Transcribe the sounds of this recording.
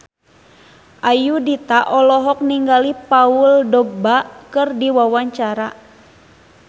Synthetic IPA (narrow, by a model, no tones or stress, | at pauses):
ʔajudit̪aʔɔlɔɦɔk̚niŋɡalipauldɔɡ̚bakɨrdiwawaɲt͡ʃaɾa